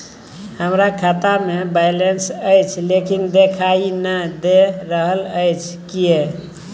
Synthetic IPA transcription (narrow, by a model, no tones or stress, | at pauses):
həmɾakʰat̪amebajlensəjt͡ʃʰlekind̪ekʰainəd̪eɾəɦələjt͡ʃʰkije